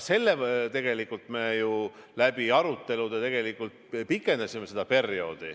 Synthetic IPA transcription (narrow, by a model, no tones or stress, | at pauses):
se̞lːet̪e̞ɡ̥e̞likːˑult̪me̞ːjulæb̥iɑɾut̪ːˑe̞lud̪̥et̪e̞ɡ̥e̞likːˑult̪̚pikːˑe̞nd̪̥ɑsʲimese̞d̪ɑpe̞rjo̞ːd̪̥i